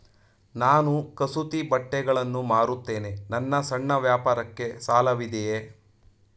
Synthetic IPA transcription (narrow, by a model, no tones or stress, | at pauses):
naːnukɐsut̪ibɐʈːɛɡɐɭɐnːumaːɾut̪ːe̞ːne̞nɐnːɐsɐɳːɐʋjaːpaːɾɐkːe̞saːlɐʋid̪eje